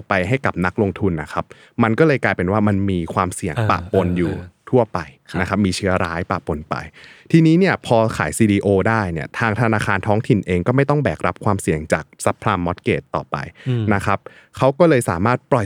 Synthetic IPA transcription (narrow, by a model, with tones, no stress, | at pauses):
pa˧jɦa˥˩jka˨˩p̚na˦˥k̚lo˧ŋt̪ʰu˧nːa˦˥kʰa˦˥p̚ | ma˧nkɔː˥˩lɤː˧jklaː˧jpe˧nwaː˥˩ma˧nmiː˧kʰwaː˧msi˨˩əŋpa̰˨˩po˧njuː˨˩t̪ʰu˥˩ɐpa˧j | na˦˥kʰa˦˥p̚miː˧t͡ɕʰɯ˦˥ɐɾaː˦˥jpa̰˨˩ʔpo˧npa̰˧jt̪ʰiː˧niː˦˥ni˥˩ɐpʰɔː˧kʰa̰ː˩˦jsiː˧diː˧ʔoː˧daː˥˩jni˥˩ɐt̪ʰaː˧ŋt̪ʰa˧naː˧kʰaː˧nt̪ʰɔː˦˥ŋt̪ʰi˨˩nʔeː˧ŋkɔː˥˩ma˥˩jt̪ɔ˥˩ŋbɛː˨˩k̚ɾa˦˥p̚kʰwaː˧msi˨˩əŋt͡ɕaː˨˩k̚sa˦˥pʰɾaː˧mːɔ˦˥t̪̚keː˨˩t̪ːɔ̰ː˨˩pa̰˧jna˦˥kʰa˦˥p̚ | kʰa˦˥wkɔː˥˩lɤː˧jsa̰ː˩˦maː˥˩t̪̚pɾɔ˨˩